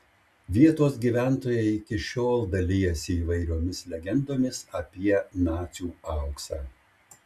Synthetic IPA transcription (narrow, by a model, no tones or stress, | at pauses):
ʋʲiɛt̪oːs̬ɡʲiːʋʲæˑnt̪oːjɛɪɪkʲɪʃʲoːlˠd̪ɐlʲɪːjɛsʲɪːʋɐɪɾʲoːmʲɪslʲɛɡʲɛnd̪oːmʲɪsɐpʲiɛnɑːt͡ʃ̪ʲuːɐˑʊksɑ̰ː